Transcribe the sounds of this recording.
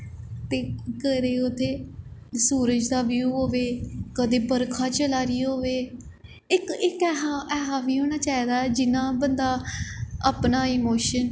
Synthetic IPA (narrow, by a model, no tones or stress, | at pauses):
t̪eːkəɾeːʊt̪ʰːeːsuːɾəd͡ʒd̪aːʋjuːɦoːʋeːkəd̪eːbəɾkʰãːt͡ʃəlaːɾiːɦoːʋeː | ɪkɪkːɦaɛːɦaːʋiːɦoːɽ̃aːt͡ʃaːiːd̪aːɛːd͡ʒɪnãːbənd̪aːapnaːɪmoːʃən